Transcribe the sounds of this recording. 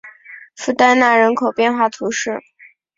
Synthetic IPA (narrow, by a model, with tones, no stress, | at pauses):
fu˥˩t̪a˥nna˥˩ɻə˧˥nkʰo˨˩ʊpjɛ˥˧nxwa˥˩t̪ʰu˧˥ʂɻ̩˥˩